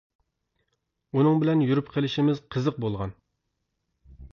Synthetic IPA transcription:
unɨŋbɪlɛnjyɾypqʰelɪʃimɪzqʰəzəq̚bolˠʁɑ̰n

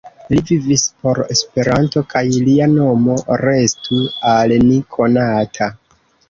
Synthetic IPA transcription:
livivispo̞ɾe̞spe̞ɾanto̞kajliano̞mo̞ɾe̞stualnikʰo̞natʰa

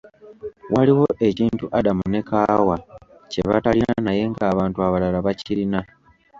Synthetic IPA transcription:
waliwo̞ʔe̞ciːntuʔadamune̞kawa | ce̞̰βa̰talina̰naje̞ŋɡaːβaːntuaβalalaβaciɾina

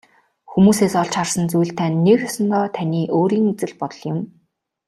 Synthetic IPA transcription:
xumuːseːsɔɮt͡ɕχarsə̆nt͡sujɮt̪ʰænːekxɔsɞ̆nt̪ɔːt̪ʰænʲiːʔoːɾiːŋut͡sɘ̆ɮpɔt̪ɞ̆ɮjɪ̆m

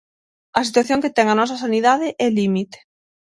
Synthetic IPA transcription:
ɐsit̪waθjoŋket̪ɛŋɐnɔs̬ɐsaniðaðeʔɛlimit̪e̥

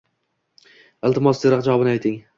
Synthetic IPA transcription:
ɪlˠt̪ɪmɒsd̪eɾɑqd͡ʒaɒbɪnɪajt̪ʰɪŋ

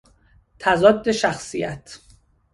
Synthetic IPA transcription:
t̪ʰæzɒːd̪ːe̞ʃæxsijæt̪ʰ

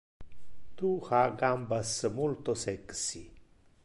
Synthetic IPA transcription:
t̪uxaɡambasmult̪osɛksi

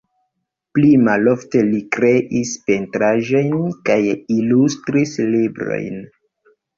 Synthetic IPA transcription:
plimalo̞fte̞likɾe̞ʔispe̞ntɾaʒo̞jnkajilustɾislibɾo̞̰jn

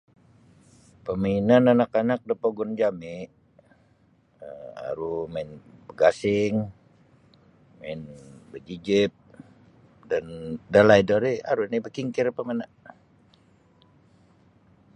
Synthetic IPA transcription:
pəminananakanak̚dəpoɡɔnd͡ʒamɪ | əa̰ɾumaɪnbəɡasɪŋ | maɪnbəd͡ʒid͡ʒip̚ | dandalajdəɾia̰ɾunibəkiŋkɪrpəmana

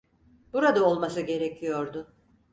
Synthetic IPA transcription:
b̥uɾad̪ao̞lˠmasɯɟe̞ɾecʰijo̞ɾd̪ʊ

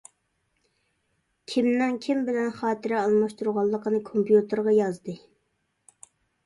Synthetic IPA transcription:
kʲʰimnɪŋkʲʰimbɪlɛnχɑːt̪ʰɨɾɛɑlˠmɑʃt̪uɾʁɑlˠːəqənɨkʰompjut̪ʰɨɾʁɑjɑzd̪ɨ

